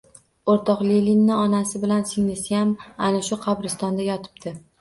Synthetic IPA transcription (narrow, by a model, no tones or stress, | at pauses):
oɾt̪ʰɒqlelinːɪɒnasɪbɪlansɪŋnɪsjamanaʃʊqʰɑbɾɪst̪ɒnd̪ajɒt̪ʰɪ̥bt̪ʰɪ